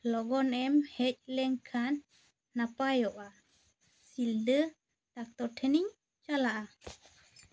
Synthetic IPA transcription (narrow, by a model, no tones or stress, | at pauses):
lɔɡɔnɛmhɛc̚ˀlɛŋkʰanː | apajɔʔa | sild̪ə | t̪ak̚t̪ɔʈʰɛniɲ | t͡ʃalaʔa